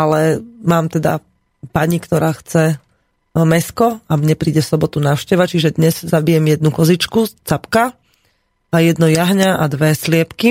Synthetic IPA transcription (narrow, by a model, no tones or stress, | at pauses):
alɛmaːmt̪ɛd̪a̰ | paɲikt̪ɔɾaːxt͡sɛ | mɛskɔamɲɛpɾiːɟɛfsɔbɔt̪unaːʊʃcɛʋat͡ʃiʒɛd̪ɲɛz̥zabijɛmjɛd̪̚nukɔzit͡ʃkut͡sapka | ajɛd̪nɔjaɦɲaʔad̪ʋɛslɪɛpki